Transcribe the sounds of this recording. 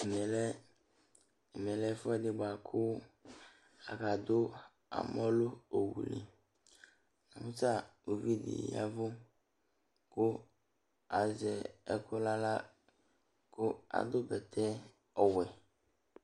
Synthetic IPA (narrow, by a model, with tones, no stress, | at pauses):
me˨lɛ˦˨ | mẽ˨lɛ˦fɛ˦dɪ˨ɡ͡ba˨kʰʊ˦ | a̰˨ka˨d̪o˦ | a̰˨mɔ̃˦lo˦o˨wṵ˨lḭ˨ | nã˨mu˦t͡ʃa˦˨o˨vi˦dḭ˨ja̰˦vo˦ | ko˦ | a˨zɛ˨ɛ˦kʰo˦la˦la˦ | ko˦a̰˨d̪o˦bɛ˨t̪ʰɛ˦ | ɔ˨wɛ˨